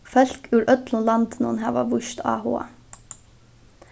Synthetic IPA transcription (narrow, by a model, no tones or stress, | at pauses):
fœlkʰʉːɾʔœt̪ʰl̩lɑnt̪nṵnhæːʋɑ̰ːʋʊʃt̪ɑ̰ːho̰ːɑ̰